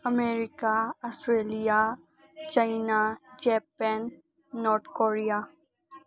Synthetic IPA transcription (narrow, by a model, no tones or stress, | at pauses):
ɐmeːɾɪkaɔsʈɾeːlija | t͡ʃaɪnad͡ʒɛːpɛnː | ɔːɾt̪ʰkoːɾija